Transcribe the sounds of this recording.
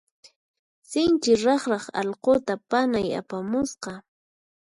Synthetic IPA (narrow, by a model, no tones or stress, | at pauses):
sɪnt͡ʃɪɾɑχɾɑχɑ̰ʎqot̪apanaja̰pamʊsqɑ